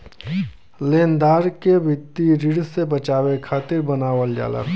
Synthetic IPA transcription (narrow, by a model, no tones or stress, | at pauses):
leːnd̪aːɾkebʱɪt̪ːiɾɪɽsebət͡ʃaːwekʰaːt̪ɪɾbənaːwəld͡ʒja̰ːlə̰